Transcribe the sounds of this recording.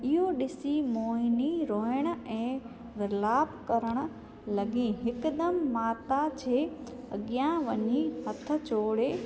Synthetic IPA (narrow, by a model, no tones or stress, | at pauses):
ɪɦoɗɪsimoːɪniɾoːɦɪɽ̃ə̆ɛ̃ː | ʋɪɾlaːbkɐɾəɽ̃ə̆ | lɐɡĩːɦɪkd̪ɐmːaːt̪at͡ɕʰeː | ɐɠijãʋɐɲiɦɐt̪ʰə̆t͡ɕoːɽeː